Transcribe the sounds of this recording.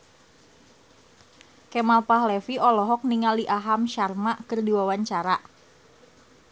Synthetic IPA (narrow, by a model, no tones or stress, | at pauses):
kɛmalpaɦlɛfiɔlɔɦɔk̚niŋaliʔaɦamʃarmaʔkərdiwawaɲt͡ʃaɾa